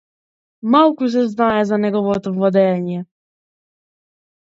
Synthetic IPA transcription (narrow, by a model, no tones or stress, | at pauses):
mawkuzɛznajɛzanɛɡɔvɔt̪ɔvad̪ɛɲɛ